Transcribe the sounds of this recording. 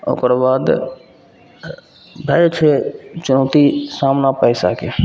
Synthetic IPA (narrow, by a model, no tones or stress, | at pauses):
o̰kɾbaːd̪ | bʱəjt͡ʃʰɛt͡ʃʊnəːt̪isamnapəɪsa̰ke